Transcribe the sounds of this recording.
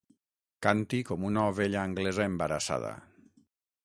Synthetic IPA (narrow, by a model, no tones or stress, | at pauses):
kant̪ikɔmunaoβeʎaːŋɡlezaembaɾasa̰ð̞a̰